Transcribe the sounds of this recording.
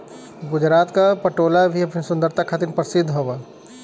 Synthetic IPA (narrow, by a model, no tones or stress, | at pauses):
ɡʊd͡ʒɾaːt̪kapɐʈoːlabʱiɐpnisʊ̃nd̪əɾt̪ʰakʰat̪ɪnpəɾsɪd̪ʱːɦoʋa